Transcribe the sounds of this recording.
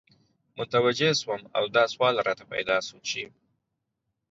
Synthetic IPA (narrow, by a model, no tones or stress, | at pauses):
mʊt̪awad͡ʒeswəma̰wd̪ɑswɑlɾɑt̪apa̰jd̪ɑsumt͡ʃe